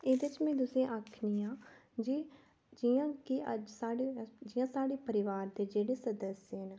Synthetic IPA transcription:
eːd̪et͡ʃmɛ̃ːd̪ʊsẽʔaːkʰniːãːd͡ʒiː | d͡ʒijãːkiəd͡ʒsaːɽed͡ʒiːãːsaːɽeːpəɾɪʋaːɾd̪eːd͡ʒeːɽeːsəd̪əsjəɦən

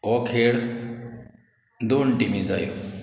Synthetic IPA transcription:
ɔkʰeɽ | d̪onʈimid͡za̰ju

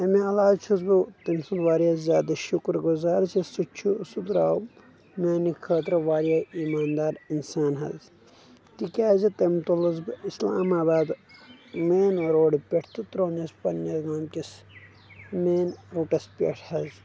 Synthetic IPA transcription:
ɐmiɐlaːt͡ʃʰuzbut̪ɐnsunʋaːɾjazʲjaːd̪ɐʃukɾɡuzaːɾzisut͡ʃʰusud̪ɾaːw | maːnikʰɐːt̪ɾɐʋaːɾjaiːmaːnd̪aːɾinsaːnɦɐ̰z | t̪ikʲaːzit̪ɐmt̪ulɐzbisla̰ːmaːbaːd̪ | meːnɾoːɽipʲeʈʰt̪ut̪ɾoːnɐspɐnːjɐzɡaːmkis | meːnɾuːʈɐspʲḛʈʰhɐz

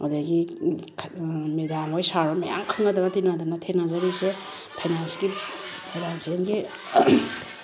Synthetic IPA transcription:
odaɡikʰmed̪amojsaɾɔmaja̰ŋkʰɯŋadabatinad̪anatʰenazaɾise | pʰajnansɡi | ped̪ansenɡi

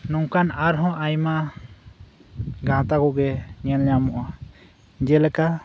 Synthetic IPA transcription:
nɔŋkanaɾɦɔ̃ʔajma | ɡãt̪aɡɔɡɛɲɛnɛjamɔʔa | d͡ʒɛlɛka

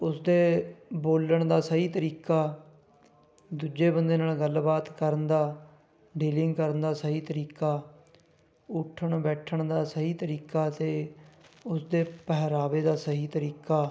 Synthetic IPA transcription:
ʊsd̪eːboːləɳd̪aːsəɦiːt̪əɾiːkaː | d̪uːd͡ʒeːbənd̪eːnaːlɡəlbaːt̪kəɾənd̪aː | ɖeːlɪ̃ŋɡkəɾənd̪aːsəɦiːt̪əɾiːkaː | ʊʈʰːəɳbɛːʈʰəɳd̪aːsəɦiːt̪əɾiːkaːt̪eː | ʊsd̪eːpəɦɾaːʋeːd̪aːsəɦiːt̪əɾiːkaː

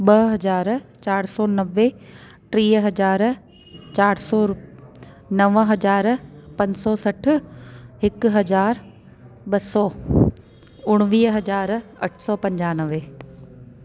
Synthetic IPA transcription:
ɓɐɦɐzaːɾt͡ɕaːɾsɔːnɐʋːe | ʈɾiːɦɐzaːɾ | t͡ɕaːɾsɔːɾ | nɐʋəɦɐzaːɾpɐ̃ɲd͡ʑsɔːsɐʈʰʊ̆ɦɪkɦɐzaːɾ | ɓɐsɔː | ʊɽ̃ʋiːɦɐd͡ʑaːɾɐʈʰsɔːpɐ̃ɲd͡ʑaːnəʋeː

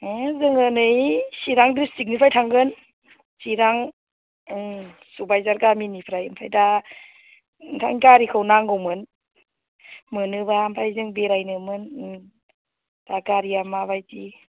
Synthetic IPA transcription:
zɯŋɯnɯjsiɾaŋdɯsik̚nipʰajtʰaŋɡɯn | siɾaŋ | subajzaɾɡaminipʰɾajɯmpʰajda | ntʰaŋkaɾikʰɯwnaŋɡɯwmɯn | mɯnɯbampʰajzɯŋbeɾajnɯmɯn | dakaɾiamabajti

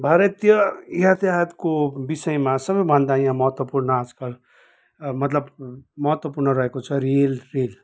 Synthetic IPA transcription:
bʱaɾʌt̪jʌjat̪jaɦt̪kobisʌjmasʌbʌjbʱʌnd̪ajãmʌɦʌt̪wʌpurnʌad͡zkʌl | mʌt̪lʌbmʌɦʌt̪wʌpurnʌɾʌɦekot͡sʰʌɾelrel

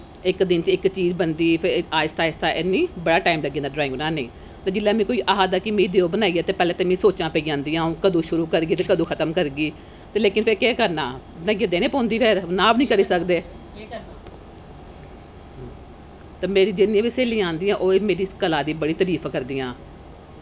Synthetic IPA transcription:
ɪkd̪ɪnt͡ʃɪkt͡ʃiːzbənd̪iːpʰeaːst̪aːɪst̪aːʔenːiːbəɽaːʈaːimləɡĩãnd̪aːɖɾaːɪ̃ŋɡnaːnẽː | t̪eːd͡ʒɪlːaːmɛ̃ːkoːiːʔaːɦaːd̪aːkɪmẽːiːd̪eːoːbənaːiːaːt̪eːpɛːleːt̪eːmẽːsoːt͡ʃãːpɛiːd͡ʒãːnd̪iːãːõːkəd̪ũːʃʊɾuːkəɾɡiːt̪eːkəd̪ũːkʰət̪əmkəɾɡiː | t̪eːleːkɪnpʰeːkeːkəɾnaː | bənaːiːãːd̪eːnẽːpõːnd̪iːpeːɾnãːbnĩːkəɾiːsəkd̪eː | t̪eːmeːɾiːd͡ʒeniːãːʋiːseːlĩːãːnd̪iːãːʔoːemeːɾiːskəlaːd̪iːbəɽiːt̪əɾiːpʰkəɾd̪iːãː

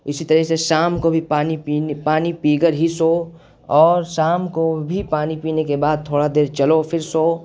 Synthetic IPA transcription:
ɪsit̪ɐɾɛɦseʃaːmkobʱipaːnipinpaːnipiːɡəɾɦisoː | ɔːɾsaːmkobʱipaːnipiːnekebaːd̪̚t̪ʰoːɽad̪eːɾt͡ʃɐlopʰɪɾsoː

